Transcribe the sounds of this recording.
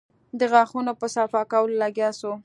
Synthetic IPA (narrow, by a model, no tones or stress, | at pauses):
d̪əɣɑxunopəsafɑkawəlolaɡjɑso